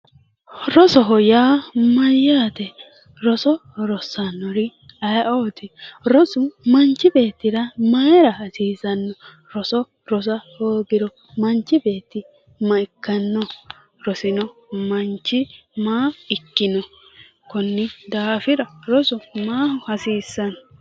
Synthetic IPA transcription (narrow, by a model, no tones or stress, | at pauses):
ɾɔsɔɦɔjaːmɐjːaːt̪ɛ | ɾɔsɔɾɔsːɐnːɔɾɪ | ɐjʔoːt̪ɪɾɔsʊmɐnt͡ʃːɪbe̞ːt̪ːɪɾɐmɐɾɐɐsiːzɐnːɔ | ɾɔsɔ | ɾɔs̬ɐhoːɡɪɾɔ | mɐnt͡ʃːɪbe̞ːt̪ːɪ | mɐɪkːɐnːɔ | ɾɔsɪnɔmɐnt͡ʃːɪmaːɪkːɪnɔ | kɔnːɪd̪aːfɪɾɐɾɔsʊmaːhʊhɐsiːsːɐnɔ